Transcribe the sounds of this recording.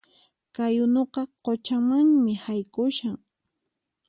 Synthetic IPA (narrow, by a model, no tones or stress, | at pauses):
kajʊnoqɑqot͡ʃamaŋmɪhajkʊʃaŋ